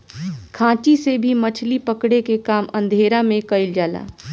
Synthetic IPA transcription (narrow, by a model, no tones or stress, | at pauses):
kʰãːt͡ʃisebʱimɐt͡ʃʰlipəkɽekekaːmʔə̃nd̪ʱeːɾamẽkɐɪld͡ʒaːla̰ː